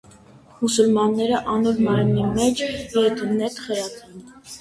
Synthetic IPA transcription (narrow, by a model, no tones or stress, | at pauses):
musulmɑnːɛɾəʔɑnɔɾmɑɾmimɛt͡ʃʰɛt̪ʰənɛt̪χɛɾɑt̪ʰɛn